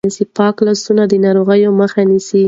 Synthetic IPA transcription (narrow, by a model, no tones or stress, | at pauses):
isipɑklɑsunad̪ənɑɾoɣəjoməxanisi